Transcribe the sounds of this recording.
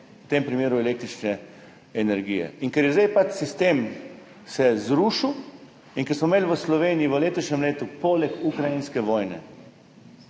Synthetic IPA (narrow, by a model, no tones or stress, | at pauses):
t̪eːmpɾimeːɾuɛleːk̚t̪ɾit͡ʃnɛː | nɛɾɡijɛ̰iŋkɛɾjɛzd̪eajpat͡ʃsist̪eːm | sɛzɾuʃiw | inŋkɛɾsmɔmeːlʋəslɔʋeːnijiʋəleːt̪ɔʃɲʲɛmleːt̪upoːlɛkukɾajinskɛʋɔːjnɛ̰